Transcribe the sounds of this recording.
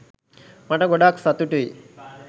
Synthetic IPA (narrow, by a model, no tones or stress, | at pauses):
mɐʈɐɡɔɖaːksɐt̪ːuʈuj